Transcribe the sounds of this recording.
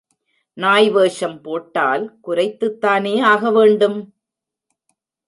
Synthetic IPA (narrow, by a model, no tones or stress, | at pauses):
naːjʋeːʂɐmpoːʈːaːlkʊɾɐɪt̪ːɯt̪ːaːneːaːɣɐʋeːɳɖɯm